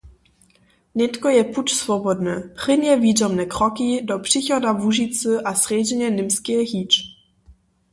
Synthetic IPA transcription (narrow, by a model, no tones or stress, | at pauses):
ɲɛt̪kɔjɛput͡ʃsvɔbɔd̪nɛpʁ̥ɪnɛviːzɔmnɛkɾɔkidɔpʂɪxɔdavuʒit͡sɨʔasrɛd͡ʑɛɲɛnɪmskɛɦiːt͡ʃ